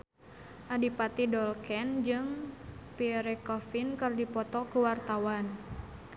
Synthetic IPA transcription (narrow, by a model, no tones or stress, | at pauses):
ʔadipat̪idɔlkɛnd͡ʒɨŋpiɾɛkɔfinkɨrdipɔt̪ɔkuwart̪awan